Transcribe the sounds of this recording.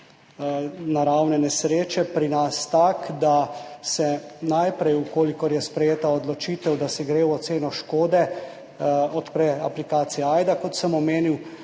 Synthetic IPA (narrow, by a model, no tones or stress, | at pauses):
naɾawnɛnɛsɾeːt͡ʃɛpɾinast̪akd̪asɛnajpɾɛjukoːlikɔɾjɛspɾɛjeːt̪aɔd̪lɔt͡ʃiːt̪ɛwd̪asɛɡɾeːwɔt̪seːnɔʃkoːd̪ɛ | ɔt̪pɾɛa̰plikaːt̪sijɛajd̪akɔt̪səmɔmeːniw